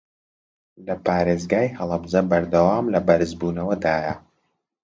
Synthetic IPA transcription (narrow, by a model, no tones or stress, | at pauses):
lɐpaːɾeːzɡaːjhɐlˠɐbzɐbɐɾd̪ɐwaːmlɐbɐɾɨzbuːnɐwɐd̪aːjɐ